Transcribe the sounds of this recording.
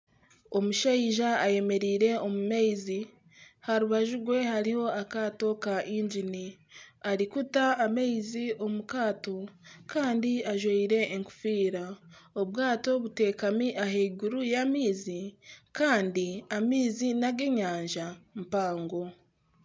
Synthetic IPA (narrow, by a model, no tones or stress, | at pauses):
o̞muʃaiʒaːje̞me̞ɾiːɾe̞o̞mumeizi | haɾuβaʒuɡwe̞haɾiho̞akato̞kaʔiːɲd͡ʒiniaɾikutaːmejziʔo̞mukaːto̞kaːndiaʒweiɾe̞ːŋku̥fiːɾaoβɡaːto̞βute̞ːkamiʔaɦeɡuɾujamiːzikaːndiamiːzinaɡeɲaːɲʒampaːŋɡo̞